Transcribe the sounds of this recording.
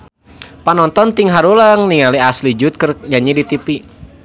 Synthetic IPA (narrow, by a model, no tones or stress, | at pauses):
panɔnt̪ɔnt̪iŋɦaɾulaŋniŋaliaslid͡ʒut̪̚kɨrjaɲidit̪ipi